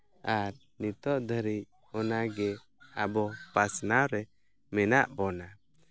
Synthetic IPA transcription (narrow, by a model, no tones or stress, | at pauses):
aɾ | nit̪ɔʔd̪ʱəɾi | ɔnaɡɛ | abɔpasnawɾɛ | mɛnaʔbɔna